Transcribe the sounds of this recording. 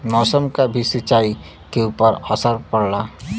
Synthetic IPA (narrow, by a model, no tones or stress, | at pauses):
mɔːsəmkabʱisɪt͡ʃaːi | keuːpəɾasəɾpəɽlaː